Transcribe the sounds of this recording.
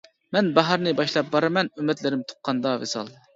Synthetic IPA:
mɛnbɑɦɑɾnɨbɑʃlˠɑp̚bɑɾɨmɛnymːɛt̪lɪɾɪmt̪ʰo̥qʰːɑnd̪ɑvḛsɑ̰lˠ

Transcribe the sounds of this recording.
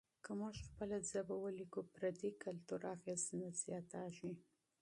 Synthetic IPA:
kəmuʒxpəlazabawəlikupɾad̪ikalt̪uɾɑɣist̪naz̥jɑt̪aʒi

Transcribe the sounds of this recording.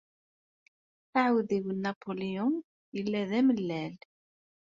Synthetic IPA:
θaʕwðiwənːɑpʰoliʊn | jəlːæðæməlːæl

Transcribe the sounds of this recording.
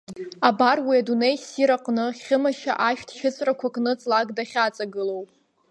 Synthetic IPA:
abarwiadune̞jsiɾaqʼnɨχʲɨmaʃa̰ʔaʃᶣtʰʃɪt͡sʼrakʷʰakʼnɨt͡sʼlaɡdaχʲat͡sʼaɡɨlowpʼ

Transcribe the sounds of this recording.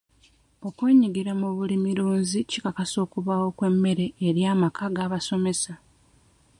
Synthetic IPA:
o̞kweːɲiɡiɾamuβulimiɾuːnzicikakaso̞ːkuβawo̞kwe̞mːe̞ɾe̞ːɾjaːmakʰaɡaːβaso̞me̞sa

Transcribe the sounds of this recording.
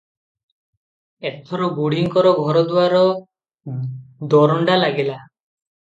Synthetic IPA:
et̪ʰɔɾɔɡuɽ̤iŋkɔɾɔɡʱɔɾɔd̪uwaɾɔ | d̪ɔɾɔɳɖalaɡela

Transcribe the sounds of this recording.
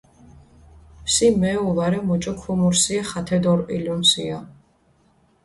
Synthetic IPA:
psimɛulaɾɛmɔt͡ʃʼɔkʰumuɾsiaχat̪ʰɛd̪ɔɾʔʼḭljɔmsia

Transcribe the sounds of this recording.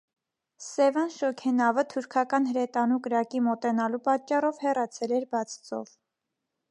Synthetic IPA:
sɛvɑnʃɔkʰɛnɑvət̪ʰuɾkʰɑkɑn̪ɦəɾɛt̪ɑnukəɾɑkimɔt̪ɛnɑlupɑt͡ʃːɑrɔvhɛrɑt͡sʰɛlɛɾbɑt͡sʰt͡sɔ̰v

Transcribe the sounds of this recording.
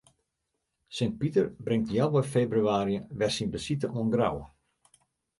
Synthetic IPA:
sɪnt̚pitərbrɪŋtjɛlˠʋɔjfeːbryaːɾijəʋɛrsinbəsitəʔuənɡra̰wə

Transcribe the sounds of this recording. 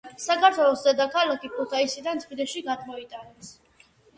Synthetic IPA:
sakʰaɾt̪ʰwɛlˠɔsd̪ɛd̪akʰalakʰipʰʼut̪ʰaisid̪ant̪sʰχid̪ɛʃiɡad̪mɔit̪ʼanɛs

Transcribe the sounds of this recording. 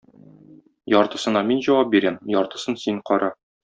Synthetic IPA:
jɒɾt̪ɤ̆sɤ̆nɑminʑɒwɑp̚biɾæmjɒɾt̪ɤ̆sɤnsiŋqɒɾɑ

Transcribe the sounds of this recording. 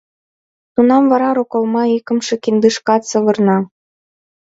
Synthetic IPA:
t̪unɑmvɑɾɑɾokolmɑikɤ̆mʃĕkind̪ɯʃkɑt̪sɤ̆βɤ̆rnɑ

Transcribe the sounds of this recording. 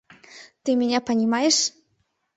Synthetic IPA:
t̪ɨmʲeɲʲapanʲimajeʃ

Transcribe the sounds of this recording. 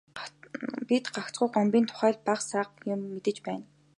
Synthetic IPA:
pit̪ɢakt͡sɢʊ̆jqɔmpʲiːnt̪ʰʊ̥χæːɮpaχsaːqjʊmːet̪ɘ̆t͡ɕpæːn

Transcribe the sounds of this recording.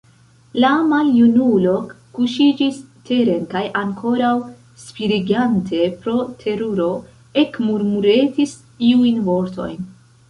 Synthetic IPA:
lamaljunulo̞kː | uʃid͡ʒistʰe̞ɾe̞nkajʔaŋkʰo̞ɾaw | spiɾiɡantʰe̞pɾo̞tʰe̞ɾuɾo̞ | e̞kmuɾmuɾe̞tis | iujnvo̞ɾto̞̰jn

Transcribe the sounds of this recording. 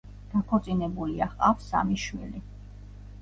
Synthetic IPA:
d̪̥akʰɔt̪sʼinɛbuliaχqʼafsa̰miʃmḭli

